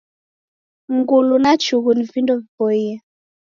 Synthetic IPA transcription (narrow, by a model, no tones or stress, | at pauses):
ŋɡulunat͡ʃuɣunivindɔvipɔiɛ